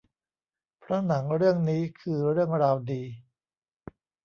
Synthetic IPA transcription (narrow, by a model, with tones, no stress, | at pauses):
pʰɾa˦˥na˩˦ŋɾɯ˥˩əŋniː˦˥kʰɯː˧ɾɯ˥˩əŋɾaː˧wdiː˧